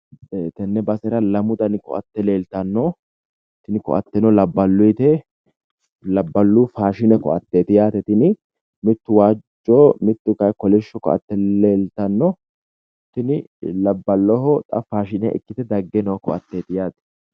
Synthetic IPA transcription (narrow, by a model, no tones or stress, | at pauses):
eːt̪ɐnːɛbɐsɛɾɐlɐmʊt̪ɐnkɔ̰ʔɐ̰t̪ːɛleːlt̪ɐnːɔ | t̪ɪnɪkɔ̰ʔɐt̪ːɛnɔlɐbːɐlːʊjt̪ɛ | lɐbːɐlːuːfaːʃɪnɛkɔ̰ʔɐt̪ːeːt̪ɪjaːt̪ɛt̪ɪnɪ | mɪt̪ːʊwaːd͡ʒːoːmɪt̪ːʊkɐjkɔlɪʃːɔkɔ̰ʔɐ̰t̪ːɛeːlt̪ɐnːɔ | t̪ɪnɪlɐbːɐlːɔhɔt̪ʼɐ̰faːʃɪnɛɛ̰kːɪt̪ɛd̪ɐɡːɛnɔkɔʔɐt̪ːeːt̪ɪjaːt̪ɛ̥